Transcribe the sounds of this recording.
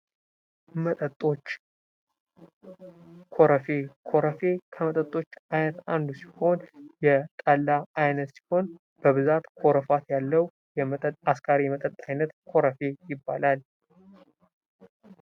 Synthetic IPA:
mət̪ʼət̪ʼo̞t͡ʃː | kʰo̞ɾəfe̞kʰo̞ɾəfe̞kʰəmət̪ʼət̪ʼo̞t͡ʃːajnət̪and̪usi̥ho̞njɛt̪ʼalːaajnət̪si̥ho̞n | b̥əβɨzat̪kʰo̞ɾəfat̪jalːəw | jɛmət̪ʼət̪askʰʼaɾijɛmət̪ʼət̪ʼajnət̪kʰo̞ɾəfe̞jɪbːa̰lal

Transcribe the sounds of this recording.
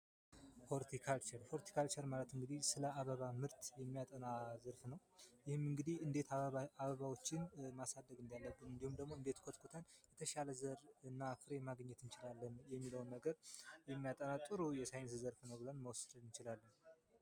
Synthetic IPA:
foɾt̪ʰikʰalt͡ʃɛɾfo̞ɾt̪ʰi̥kʰalt͡ʃɛɾmalət̪ɨŋɡɨd̪ihsɨləʔaβəβamɨɾt̪jɛmːijat̪ʼənazəɾfnəw | jɪhɨmɨŋɡɨd̪ihɨnd̪e̞t̪ʰaβəβawo̞t͡ʃːɪnmasad̪ːəɡɨnd̪ijalːəbːɨnɨnd̪ihumd̪əɡmoɨnd̪e̞t̪kʰot̪kʰot̪ʰənjɛt̪ʰəʃaləzəɾɨnːafɨɾe̞maɡəɲːɛt̪ɨnt͡ʃɪlalːənjɛmːiləwnːəɡəɾjɛmːijat̪ʼənat̪ʼɨɾujɛsajɪns̬zəɾfnəwbɨlənməwsɨnɨnt͡ʃɪlalːən

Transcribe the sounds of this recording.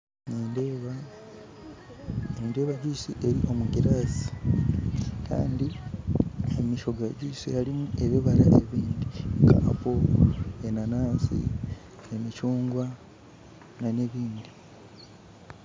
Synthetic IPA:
ned | neːndeːβaɟisiʔe̞ɾiʔo̞muɡiɾaːzi̥ | kʰa̰ːndi | emiʃo̞ɡaɟiːsijalimuʔe̞βiβalaʔe̞βiːndika̰poenanaːsḭ | emicuːŋɡwa | naneβiːnd̪i

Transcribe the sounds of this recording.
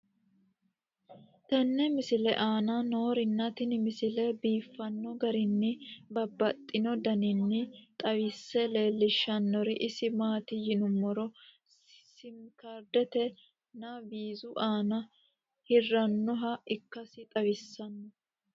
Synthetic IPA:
t̪ɐnːɛmɪsɪlɛʔaːnɐno̞ːɾɪnːɐt̪ɪnmɪsɪlɛbiːfːɐnːɔɡɐɾɪnːɪbɐbːɐt̪ʼːɪnɔd̪ɐnɪnːɪt̪ʼɐwɪsːɛle̞ːlːɪʃːɐnːɔɾɪʔɪsɪmaːt̪ɪjɪnʊmːɔɾɔ | sɪmkɐɾd̪ɛt̪ɛ | nɐbiːzʊʔaːnɐ | hɪrːɐnːɔɦɐɪkːɐsɪt̪ʼɐwɪsːɐnːɔ

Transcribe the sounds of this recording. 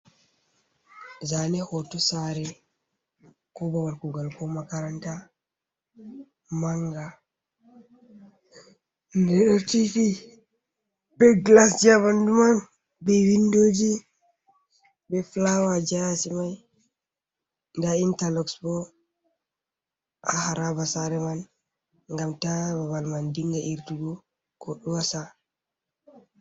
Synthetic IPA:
zanɛhotusaɾɛ | kɔbawaɾkuɡalkʰomakaɾanta | maŋɡa | ndɛɗɔɾtifi | bɛɡlasd͡ʒabanduman | bɛwindod͡ʒi | bɛflawad͡ʒasimaj | ndaintalɔksbɔ | ʔahaɾabasaɾɛman | ŋɡamtabaβalmandiŋɡaʔiɾtuɡɔ | kɔɗuwasa

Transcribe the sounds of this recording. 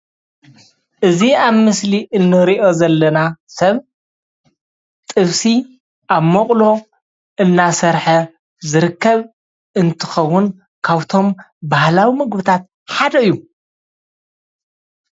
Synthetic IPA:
ʔɨziaβmɨsliʔɨnːɨɾiʔo̞zɐlːɐnasɐβ | t̪ʼɨβsi | ʔaβmoqʼlo̞ | ɨnːasɐɾħɐ | zɨɾɨkːɐβ | ɨnt̪ʰɨ̥xɐwːʊn | kʰaβt̪ʰo̞m | bahlawimɨɡbɨt̪ʰat̪̚ | ħad̪ɐɨjːu

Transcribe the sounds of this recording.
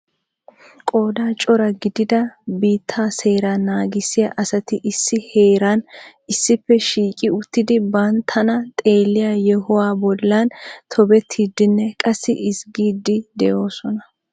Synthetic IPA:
kʼo̞ːd̪aːt͡ʃʼɔɾɐɡɪd̪ɪd̪ɐbiːt̪ʰːaːse̞ːɾanːaːɡɪsːɪjaʔɐsɐt̪ɪʔɪsːɪhe̞ːɾan | ɪsːɪpːɛʃiːkʼɪʊt̪ːɪd̪ɪbɐnt̪ʰɐnɐt̪ʼe̞ːlːɪjajɛhɔwaːbɔlːɐnt̪ʰɔbɛt̪ʰːiːd̪ɪnːɛkʼɐsːɪ̰ʔɪsɡiːd̪ɪd̪ɛjo̞ːsɔnɐ

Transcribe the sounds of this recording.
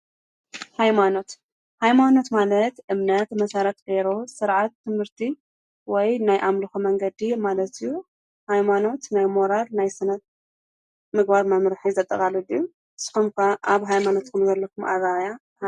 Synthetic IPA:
hajmano̞t̪ | hajmano̞t̪malɐt̪ʔɨmnɐt̪mɐsaɾɐt̪ʼɡeɾo̞sɨɾʕat̪ːɨmhɨɾt̪ʰi | wɔjnajʔamlɨxumɐŋɡɐd̪imalɐt̪ɨjːu | hajmano̞t̪najmoɾalnajsɨnɐt̪̚ | mɨɡbaɾmɐmɾɨħizɐt̪ʼːɐkʼalɨd̪iju | ɨsɨ̥xumkʰaʔaβɦajmano̞t̪kʰɨmzɐlːɐkʰumʔa̰βaja

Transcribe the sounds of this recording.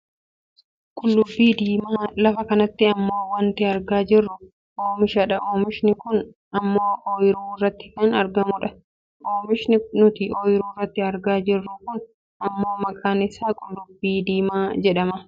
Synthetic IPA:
kʼʊlːʊbːiːd̪iːmaːlɐfɐkɐnɐt̪ːɪɐmːo̞ːwɐnt̪ɪɐɾɡaːd͡ʒɪrːʊ | ʔoːmɪʃɐᶑɐʔoːmɪʃnɪkʊn | ɐmːoːoːjɪɾuːɪrːɐt̪ːɪ̥kɐnɐɾɡɐmʊᶑɐ | ʔoːmɪʃnɪnʊt̪ɪʔoːjɪɾuːɪrːɐt̪ːɪɐɾɡaːd͡ʒɪrːʊkʊn | ɐmːo̞ːmɐkʼaːnɪsaːkʼʊlːʊbːiːd̪iːmaːd͡ʒɛᶑɐmɐ

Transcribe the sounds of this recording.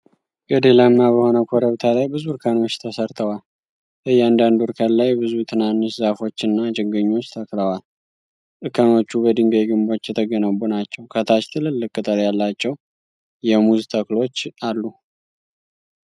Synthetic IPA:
ɡəd̪elamːabəho̞nəkʷʰoɾəβt̪ʰalajbɨzuɾkʰano̞t͡ʃːt̪ʰəsəɾt̪ʰəwal | bəjand̪and̪uɾkʰallajbɨzut̪ʰɨnanːɨʃzafo̞t͡ʃːɨnːad͡ʒɨɡəɲːo̞t͡ʃːt̪ʰəkləwal | t̪ʼɨkʰəno̞t͡ʃːubəd̪ɨŋɡəjɡɨmbo̞t͡ʃːjɛt̪ʰəɡənəβunat͡ʃːɛwkʰət̪ʰat͡ʃt̪ʰɨlɨlːɨkʼːɨt̪ʼəɾjalːat͡ʃːɛw | jɛmuzt̪ʰəklo̞t͡ʃːalːu

